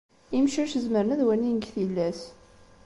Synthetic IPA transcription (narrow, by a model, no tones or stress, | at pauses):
imʃəʃzməɾnæðwænːinəɡθilːæs